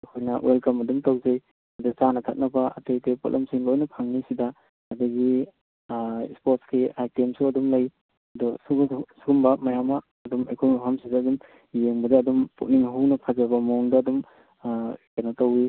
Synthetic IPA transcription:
ekʰojnɐʔwelkɐmɐdumtawzaj | ɐdɔt͡ʃanɐtʰak̚nɐbaʔɐ̰tejtepɔ̰tlʔa̰msiŋlojnɐpʰaŋnisidaː | dɐɡi | spotskʰiajtemsuɐdumlɐj | ɐdɔsuɡsuɡumbɐmɐjamaːdumḛjkʰojluɦamsidaːdum | jeŋbɐdɐːdumpṵk̚niŋɦuwnɐpʰazabɐmɔŋdɐːdum | kanatawi

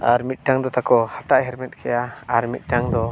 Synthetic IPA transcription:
aɾmit̪̚ˀʈaŋd̪ɔt̪ʰakɔhaʈaʔɦɛɾmɛt̪̚ˀkʰɛjaaɾmit̪̚ˀʈaŋd̪ɔ

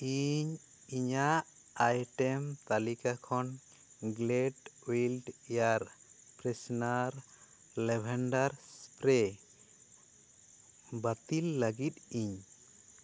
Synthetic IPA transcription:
iɲ | iɲaʔ | ajʈɛmt̪alikakʰɔn | ɡleʈwilɖjaɾpɾɛsnaɾ | lɛbʱɛɳɖaɾsspɾɛ | bat̪ilːəɡit̪̚iɲ

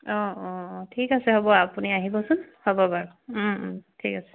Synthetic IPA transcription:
ɔɔtʰikasɛɦɔbɔapuniaɦibɔsʊnhɔbɔbaɹ | tʰikasɛ̥

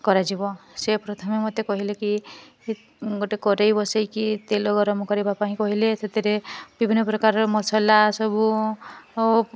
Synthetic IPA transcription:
kɔɾad͡ʒibɔsepɾɔt̪ʰɔmemot̪ekɔɦileki | ɡoʈekɔɾejbɔsejkit̪elɔɡɔɾɔmɔkɔɾibapaĩkɔɦilet̪ʰet̪iɾebibʱinːɔpɾɔkaɾɔɾɔmɔsɔlasɔbu

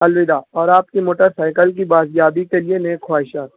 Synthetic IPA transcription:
ɐlʋɪd̪aːɔːɾaːp̚kimoːʈəɾsaːɪkəlk̬ibaːzjaːbikelienɐːkxʰwaːɦɪʃaːt̪̚

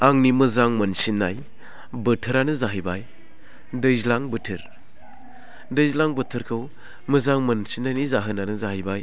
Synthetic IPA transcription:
aŋnimɯzaŋmɯnsinːaj | bɯtʰɯɾanɯzaɦijbaj | dɯjzlaŋbɯtʰɯɾ | dɯjzilaŋbɯtʰɯɾkʰɯw | mɯzaŋmɯnsinːajnizaɦɯnanɯzaɦijbaj

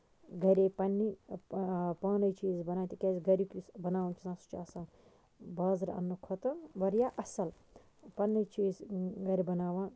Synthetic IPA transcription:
ɡɐɾepɐnːi | paːnɐjt͡ʃiːzbɐnaːt̪ikʲezɡɐɾikisbɐnaːwnt͡ʃʰisãsu̥t͡ʃʰiɐsãː | baːzɾɐ̰nːukʰot̪ɨʋɐɾjaʔɐsɐl | pɐnːɐjt͡ʃʰiːzɡɐɾibɐnaːʋãː

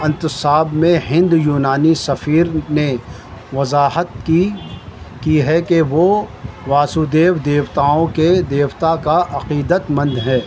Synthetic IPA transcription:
ɪ̃nt̪ɪsaːbmẽɦɪ̃nd̪juːnaːnisɐfiːɾne | ʋɐzaːɦət̪̚ki | kiɦɛkeʋoʋaːsud̪eːʋd̪eːʋt̪aːõked̪eːʋt̪akaʔɐqiːd̪ət̪mɐ̃nd̪ɦɛ̃ː

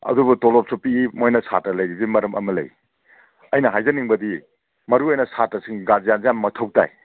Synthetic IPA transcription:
ɐ̰dubɐtolop̚sʰopiːmojnɐsa̰tːɐlɐjɾibimɐɾɐmɐ̰mɐlɐ̰j | ɐjnɐɦajzɐniŋbɐdi | mɐɾuɐjnɐsatːɐsiŋɡazijanzjamːɐtʰɐwta̰j

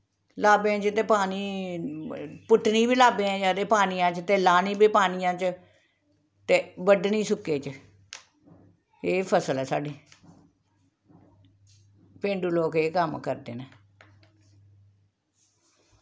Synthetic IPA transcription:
laːbẽːt͡ʃt̪eːpaːniː | pʊʈːniːbiːlaːbẽːd͡ʒaːd̪eːpaːniːjãːt͡ʃt̪eːlaːniːbiːpaːnɪjãːt͡ʃ | t̪eːʋəɖniːsʊkːeːt͡ʃ | eːpʰəsəlɛːsa̰ːɖiː | pẽːɳɖuːloːkeːkəmkəɾd̪ḛːneː

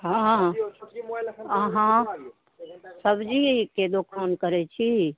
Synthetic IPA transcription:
ɦã | ãɦã | səbd͡ʒiked̪okʰaːnkəɾet͡ʃʰi

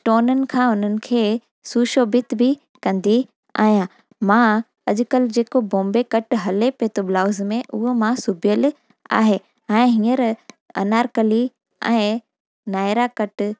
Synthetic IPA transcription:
ʈoːnənɪ̆kʰãːʊn̤ənɪ̆kʰeː | suːʃoːbɪt̪bʱɪ | kɐ̃nd̪i | a̰ːɦijã | mã | ɐʄʊkəld͡ʑeːkobõːmbekɐʈɦɐlepeːt̪oblaːʊzmẽʔʊɦomãsʊbʱjəl | a̰ːɦe | ɛ̃ːɦiːəɾɐ̰naːɾkəli | ɛ̰̃ː | naːɪɾakɐʈ

